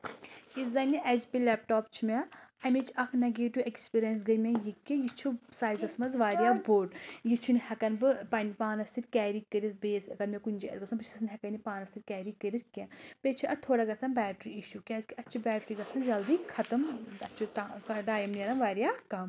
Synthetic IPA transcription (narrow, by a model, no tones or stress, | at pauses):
izɐniʔɛzʲpʲilɛːpʈɔːpt͡ʃʰimʲɛ̃ɐmʲet͡ʃʰɐkʰnɐɡeːʈuekspiːɾijɐns̬ɡɐmʲɛ̃jikːijit͡ʃʰusaːjzɐsmɐzʋaːɾijaːboːʈjit͡ʃʰunhɐkɐnbɨpɐnipaːnɐsiɾkʲɛːɾikəɾit̪beːsɐɡɐɾmɛ̃kunʲd͡ʒiɐ̰ɡɐsʰũmbpɐt͡ʃʰsɐsnɦʲɛkɐnipaːnɐsiɾʲkʲɛːɾikəɾit̪kɛ̃ːpeːt͡ʃʰuʔɐt̪ʰːoːɽaɡɐsɐnbʲɛːʈɾiiʃukʲɛːzʲkiɐt͡ʃʰibʲɛːʈɾiːɡɐsʰɐnd͡ʒɐld̪iːkʰɐt̪ɐmɐt͡ʃʰutaɐɖaːjɐmnɐɾɐmʋaːɾijaːkɐm